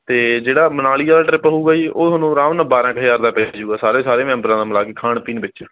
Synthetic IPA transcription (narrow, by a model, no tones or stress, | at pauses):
t̪eːd͡ʒeːɽaːmənaːlijaːlaːʈɾɪpɦuːɡaːiːʔoːənũːɾãːʋnəbaːɾãːkəjaːɾd̪aːpɛːd͡ʒuːɡaːsaːɾẽːsaːɾeːmɛ̃ːmbɾãːd̪aːmlaːkeːkʰaːɳpiːnbɪt͡ʃːt͡ʃː